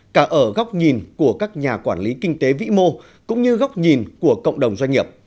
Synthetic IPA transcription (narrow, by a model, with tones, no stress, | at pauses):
kaː˧˩ʔəː˧˩ɣa˦˥wk͡p̚ɲi˨˩nku˧˩əkaː˦˥k̚ɲaː˨˩kwaː˧˩nli˨˦kï˧ŋ̟t̪e˨˦vḭ˧˥mo˧ | kʊ̰˧˥ŋ͡mɲɨ˧ɣa˦˥wk͡p̚ɲi˨˩nku˧˩əkə̰˧˨wŋ͡mɗə˨˩wŋ͡mzwa˧ŋ̟ːi˨˩əp̚